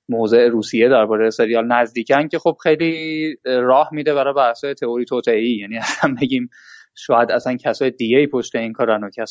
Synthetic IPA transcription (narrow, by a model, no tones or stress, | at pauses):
moːze̞eɾuːsije̞d̪æɾbɒːɾejese̞ɾijɒːlnæzd̪iːcʰæncʰe̞χob̥xe̞jliː | ɾɒːhmid̪e̞βæɾɒbæɾsɒːjet̪ʰeoɾiːt̪ʰoːt̪ʰeeiːjæniːæsænbe̞ɟiːm | ʃɒːjæd̪æsæncʰæsɒːjed̪iɟeiːpʰo̞ʃt̪eiːŋkʰɒːɾænocʰæs